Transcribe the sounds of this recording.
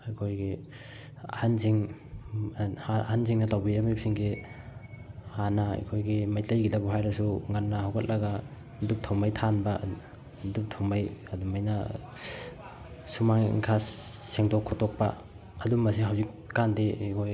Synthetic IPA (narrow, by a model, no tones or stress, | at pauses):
ɐkʰojɡi | ɐ̰hansiŋ | hahans̬iŋnɐtawbiɾɐmip̚siŋɡi | hana̰jkʰojɡimajtɐjɡidɐbuɦajɾɐsuŋanːɐɦawkʰɐt̚lʔɐɡa | dup̚tʰawmajtʰanbɐ | dup̚tʰawmajɐdumajnɐ | sumaŋḭŋkʰasseŋdokʰːɔtok̚pɐ̰ | ɐdumɐsiɦawzik̚ | kandikʰoj